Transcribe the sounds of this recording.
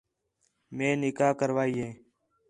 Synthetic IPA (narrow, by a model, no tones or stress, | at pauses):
mẽːnɪkaːkəɾʋaːiːɦẽː